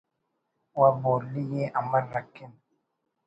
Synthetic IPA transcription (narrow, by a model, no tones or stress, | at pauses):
wabɔlijeʔamaɾakin